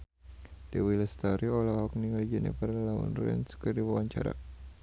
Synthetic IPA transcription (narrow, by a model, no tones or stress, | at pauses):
d̥əwiləst̪aɾiɔlaɦɔk̚niŋalid͡ʒɛnḭfarlaṵnrɛ̰nskərdiwawaɲt͡ʃa̰ɾa̰